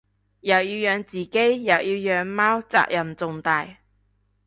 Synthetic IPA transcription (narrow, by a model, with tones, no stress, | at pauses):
jɐ˨˩wjiː˧wjœː˧ŋt͡siː˨˩ke˥jjɐ˨˩wjiː˧wjœː˨˧ŋmaː˥wt͡sa̰ː˧k̚jɐ˨˩mt͡sʊ˨ŋt̪aː˨˧j